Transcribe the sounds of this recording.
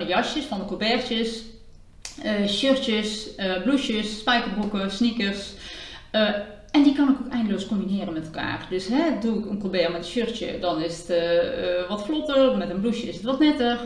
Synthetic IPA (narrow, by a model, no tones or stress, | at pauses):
nəjɑʃjəsfɑndəkobɛɹt͡ʃəs | ʃørəsəbluʃəsːpɛjkərbukəsnikərs | ɛndikɑnɪkokɛjndəloːskɔmbinɪːrənmɛtɛlˠka̰ːrdøsɦɛduɪkənkobɛrmɛtəʃøɹtə̰dɑnɪsətː | ʋɔtflɔtərmɛtənbluʃjəɪsətʋɔtnɛtər